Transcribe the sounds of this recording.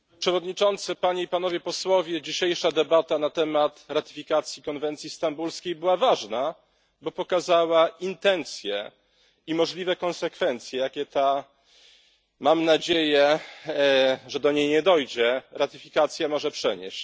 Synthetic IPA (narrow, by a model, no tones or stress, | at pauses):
pʂɛvɔd̪ɲit͡ʂɔnt̪sɨpaɲeipanɔvʲjɛpɔswɔvʲjɛd͡ʑiɕejʂad̪ɛbat̪anat̪ɛmat̪ɾat̪ɘ̥fʲikat̪sʲjikɔnvɛnt̪sʲjist̪ambulskʲejbɘwavaʐna | bɔpɔkazawaint̪ɛnt̪sʲjɛ̰ | imɔʐlʲivɛkɔnsɛkfɛnt̪sʲjɛjakʲɛt̪a | mamnad͡ʑejɛ | ʐɛd̪ɔɲejɲɛd̪ɔjd͡ʑɛɾat̪ɘfʲikat̪sʲjamɔʐɛpʂɛɲḛɕt͡ɕ